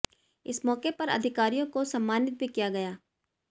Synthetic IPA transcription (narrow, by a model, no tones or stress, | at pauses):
ɪsmɔːkepɐɾɐ̰d̪ʱɪkaːɾijõkosɐmːaːnɪt̪̚bʱikijaɡɐjaː